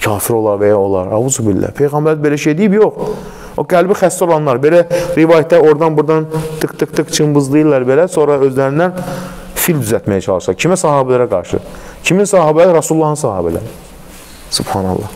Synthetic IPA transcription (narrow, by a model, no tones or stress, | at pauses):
cʰɑːfiɾo̞lˠɑɾvæjɑo̞lˠɑ̰ɾɑvuzubilːæ̰pʰe̞jɣɑmbæɾbe̞læʃejd̪ijibjoχ | oɡælbixæst̪o̞lˠɑnlˠɑɾbe̞læɾivɑːjæt̪̚d̪æo̞ɾd̪ɑnbuɾd̪ɑnt̪ʰɯkt̪ɯqt̪ɯqt͡ʃʰɯmbɯzlˠɯjɯlˠːɑɾbe̞læso̞ɾɑø̞zlæɾind̪æn | fild̪yzæt̪mæjæt͡ʃʰɑlˠɯʃsɑcʰimæsɑɦɑːbælæɾæɡɑ̰ɾʃɯ̰ | cʰiminsɑɦɑːbælæɾɑsulˠːɑhɯnsɑɦɑ̰ːbælæ̰ɾi | sub̥hɑːnɑ̰lˠːɑ̰h